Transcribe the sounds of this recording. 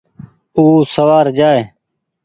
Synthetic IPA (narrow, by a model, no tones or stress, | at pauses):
uːsəʋaːɾd͡ʒaːeː